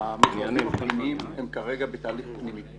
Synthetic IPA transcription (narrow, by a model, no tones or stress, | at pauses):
amazanimapnimiimemkaʁeɡabet̪aːliχpnimi